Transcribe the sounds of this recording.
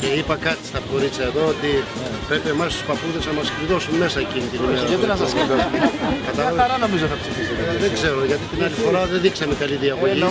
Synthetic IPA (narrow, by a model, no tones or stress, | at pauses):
eipɐkɐt̪i̥st̪ɐpko̞ɾit͡sɐe̞ðo̞ot̪i | pɾe̞piemɐst̪u̥spɐpuðe̞znɐmɐskɾiðo̞summe̞sɐe̞cinit̪inimeɾɐt̪inɐs̬ɐskiekɐt̪ɐlɐveɾɐnomizoθɐpsifisueðeɡze̞ɾo̞ʝɐt̪it̪inɐlifo̞ɾɐðeðiksɐme̞kɐliðiɐɣoʝi